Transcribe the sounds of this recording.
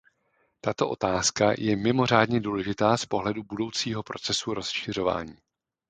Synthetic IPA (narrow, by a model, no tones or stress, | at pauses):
t̪at̪o̞ʔo̞t̪aːskajɛmɪmo̞r̝aːdɲɛduːlɛʒɪt̪aːspo̞ɦlɛdubudo̞wt͡siːɦo̞pɾo̞t͡sɛsuɾo̞sʃɪr̝o̞va̰ːɲiː